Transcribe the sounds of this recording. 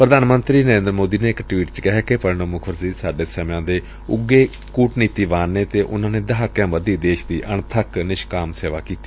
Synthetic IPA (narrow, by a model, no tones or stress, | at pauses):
pɾəd̪aːnmənt̪ɾiːnəɾẽːnd̪ɾəmoːd̪iːneːɪkʈʋiːʈt͡ʃkɪɦɛːkepəɽɳoːmʊkʰəɾsiːsaːɖeːsəmãːd̪eː | ʊɡːeː | kuːʈniːt̪iːʋaːnːeːt̪eːʔʊnãːneːd̪əɦaːkːjãːbəd̪iːd̪eːʃd̪iːʔəɳt̪ʰəknɪʃkaːmseːʋaːkiːt̪i̥ː